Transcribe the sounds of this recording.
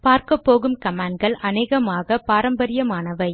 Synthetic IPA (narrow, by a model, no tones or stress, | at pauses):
paːɾkɐpːoːɣɯmkɐmaːɳɖ̚ɡɐɭʔɐneːɣɐmaːɣɐpaːɾɐmbɐɾɪjɐmaːnɐʋɐɪ